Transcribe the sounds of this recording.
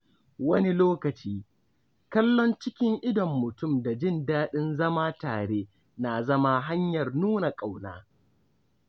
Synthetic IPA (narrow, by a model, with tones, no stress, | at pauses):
wɐ˦ni˦loː˦kɐ˨t͡ʃiː˦ | kɐ˦lːɔ˦nt͡ʃɪ˦kʲɪ˦ŋʔɪ˦dɔ˨mːʊ˨tʊ˦˨mda˨d͡ʒɪ˦˨ndaː˦ɗɪ˦nzɐ˦maː˦taː˨ɽeː˦ | na˨zɐ˦ma˦ɦa˦ɲjɐ˨rnuː˦na˨kʼa˨wnaː˦